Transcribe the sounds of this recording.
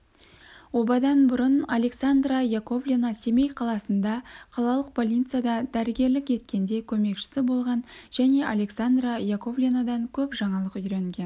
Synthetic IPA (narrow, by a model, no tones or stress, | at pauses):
wo̞bɑd̪ɑnbʊɾənalʲe̞ksand̪rajako̞vlʲinase̞me̞jqʰɑlˠɑsənd̪ɑqʰɑlˠɑlˠəq̚pʰolʲijt̪sɨjad̪ɑd̪æɾɪɡʲe̞ɾlɪkʲe̞t̪̚kʲe̞nd̪e̞kʲʰɵme̞kʃɪ̥sɪbo̞lˠʁɑnʒ̥æne̞ʔalʲe̞ksand̪rajako̞vlʲinad̪ɑŋkʲʰɵpʒɑɴɑlˠəqʏjɾeŋɡʲe̞n